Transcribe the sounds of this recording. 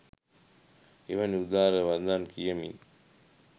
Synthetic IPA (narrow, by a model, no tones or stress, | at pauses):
eʋɐniud̪aːɾəʋand̪aːnkijəmḭn